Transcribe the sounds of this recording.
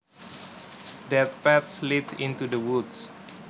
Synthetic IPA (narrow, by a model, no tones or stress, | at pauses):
dɛt̪̚pɛt̪slidĩnt̪udəwuds